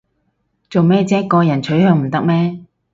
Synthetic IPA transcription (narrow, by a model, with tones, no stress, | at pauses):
t͡so˨wmɛː˥t͡sɛː˥kːɔː˧jɐ˨˩nt͡ʃʰɵ˨˥ɥhœː˧ŋm̩˨˩t̪ɐ˥k̚mɛː˥